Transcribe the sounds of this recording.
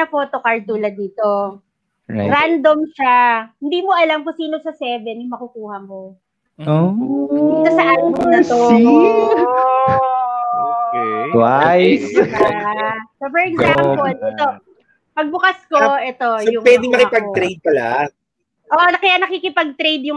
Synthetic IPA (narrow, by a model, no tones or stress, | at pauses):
ɐfot̪okɐɹt̪uːlɐd̪iːt̪o | ɾand̪omʃahɪnd̪iːmoʔɐlamkʊsiːnosɐsɛːvɛnjʊŋmɐkʊkuːhɐmo | o | k̪ɐsɐʔaːnɪnkod̪ɐt̪o | okɛwaj | sopɛɹɛɡzampolɛt̪o | pɐɡ̚bʊkɐskoʔɛt̪o̞jʊŋpwɛd̪ɪŋmɐkɪpɐɡ̚t̪ɾejd̪̚pɐla̰ | ʔoːʔnɐkɐjanɐkikɪpɐɡ̚t̪ɾejd̪jʊŋ